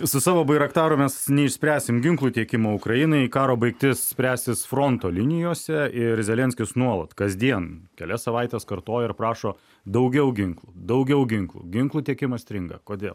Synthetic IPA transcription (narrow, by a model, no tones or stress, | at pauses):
sʊsɑːʋoːbɐɪɾɐkt̪ɑːɾʊmʲɛsnʲɛɪʃʲsʲpʲæːsʲɪmɡʲɪŋklˠuːt̪ʲiɛkʲɪmoːʊkɾɐjɪnɐɪkɑːɾoːbɐɪkt̪ʲɪssʲpʲɾʲæːsʲt̪ʲɪsfɾoːnt̪oːlʲɪnʲɪjoːsʲɛɪɾzʲɛlʲɛnʲsʲkʲɪsnuɔlˠɐt̪kɐzʲd̪ʲiɛnkʲɛlʲɛsɐʋɐɪt̪ʲeːskɐrt̪oːjɛɪɾprɑːʃoː | d̪ɐʊɡʲɛʊɡʲɪŋklˠud̪ɐʊɡʲɛʊɡʲɪŋklˠṵːɡʲɪŋklˠuːt̪ʲiɛkʲɪmɐsʲt̪ʲɾʲɪŋɡɐ̰koːd̪ʲeːlˠ